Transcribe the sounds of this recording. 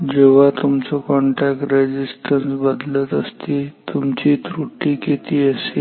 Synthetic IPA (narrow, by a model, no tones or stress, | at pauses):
d͡ʑeʋ̤at̪umt͡sɔkɔɳʈæk̚ʈɾed͡ʑisʈənsbəd̪lət̪əst̪iːt̪umt͡ɕiːt̪ɾuʈːiːket̪iːəse